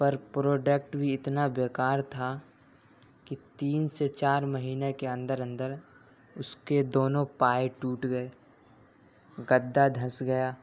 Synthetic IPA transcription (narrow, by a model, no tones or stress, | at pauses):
pɐɾpɾoːɖək̚ʈbʱiɪt̪nabeːkaːɾt̪ʰa | kit̪iːnset͡ʃaːɾməɦiːnekeə̃nd̪əɾə̃nd̪əɾ | ʊsked̪oːnõpaːjʈuːʈɡəe | ɡəd̪ːad̪ʱɐ̃sɡɐjaː